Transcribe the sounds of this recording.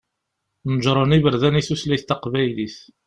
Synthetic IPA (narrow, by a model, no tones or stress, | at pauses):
nəʒɾˤənivəɾðæniθuslæθt̪ːɑqvæjliθ